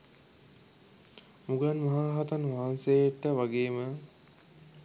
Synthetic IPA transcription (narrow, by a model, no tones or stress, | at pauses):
muɡanmɐɦaːɾaɦat̪anʋaɦansejeʈːəʋaɡeːmə